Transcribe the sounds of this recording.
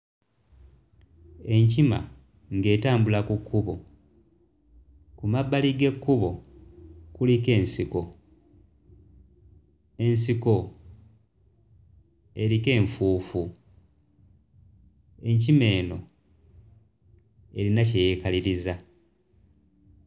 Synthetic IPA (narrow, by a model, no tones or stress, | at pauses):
e̞ɲcima̰ | ŋɡe̞ːtaːmbulakukːuβo̞ | kumabːaliɡe̞kːuβo̞ | kulike̞ːnsiko̞ | e̞nsiko̞ | e̞ɾike̞ːɱfuːfu | e̞ɲcime̞ːno̞̰ | e̞ɾinaceje̞kaliɾiza